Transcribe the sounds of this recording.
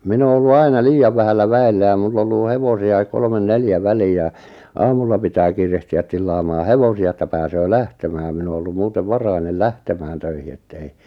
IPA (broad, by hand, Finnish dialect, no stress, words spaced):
min oː olːu ɑinɑ liːjɑʋ ʋæhælːæ ʋæelːæ jɑ mulː olːuˑ heʋosiɑik kolmen neljæ ʋæliː jɑˑ ɑːmulːɑ pitæː kiːrehtiæ tilːɑːmɑː heʋosiɑ etːæ pæːsøː læhtemæː min o olːum muːteʋ ʋɑrɑinel læhtemæːn tøihi etːei